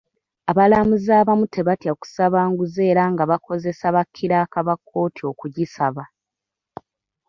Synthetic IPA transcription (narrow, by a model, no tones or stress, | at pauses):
aβalamuzaːβamutʰe̞βatjaku̥saβaːŋɡuze̞ːɾaŋɡaβako̞ze̞saβakʰːiɾaːkaβakʰːo̞ːtʰio̞kuɟisaβa